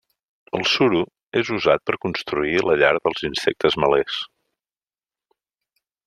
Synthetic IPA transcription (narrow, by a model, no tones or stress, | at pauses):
əlˠsuɾu | ezuzat̪̚pəɾkunst̪ɾuiləʎaɾðəlˠzinsɛk̚t̪əzməlɛs